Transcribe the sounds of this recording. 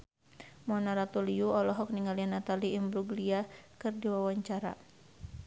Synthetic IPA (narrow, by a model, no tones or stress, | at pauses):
mɔnaɾat̪uliuɔlɔɦɔk̚niŋalianat̪aliːmbɾuɡliakɨrdiwawaɲt͡ʃaɾa̰